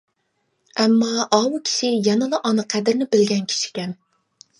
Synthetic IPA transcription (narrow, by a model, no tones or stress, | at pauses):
ɛmːɑʔɑwukʲʰi̥ʃɪjɑnɨlˠɑʔɑnɨqʰæd̪ɪɾnɪbɪlɡʲɛnkʲʰi̥ʃi̥kʲɛn